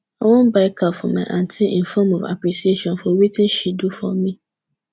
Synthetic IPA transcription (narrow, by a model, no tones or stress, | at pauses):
ɔwɔ̃m̩baɪkʰafɔmãʔãntʰiĩnfɔmɔva̰pɾisieʃɔ̃nfɔwitĩnʃidufɔ̰mĩ